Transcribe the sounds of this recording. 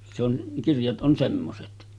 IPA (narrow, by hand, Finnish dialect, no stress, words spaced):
se on kirjɑt ʔon semːoset